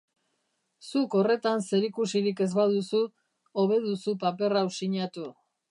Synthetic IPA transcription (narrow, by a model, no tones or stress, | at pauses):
suko̞re̞t̪anse̞ɾikusiɾike̞zβað̞usu | oβe̞ð̞usupape̞rawsiɲat̪u